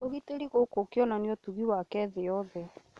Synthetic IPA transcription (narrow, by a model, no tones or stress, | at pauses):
oɣiteɾiɣokokiɔnaneotuɣiwakɛðejɔðɛ